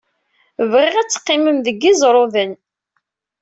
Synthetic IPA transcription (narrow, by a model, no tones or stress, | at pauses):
vʁɪʁæt͡sːə̥qːɪməmðəɡːizˤɾˤoðən